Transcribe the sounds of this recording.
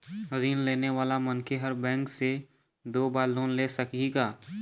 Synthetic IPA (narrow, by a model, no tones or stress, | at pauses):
ɾiːnleːneʋaːlamɐnkʰeɦəɾbɛ̃ːŋkse | d̪oːbaːɾloːnleːsɐkiɡaː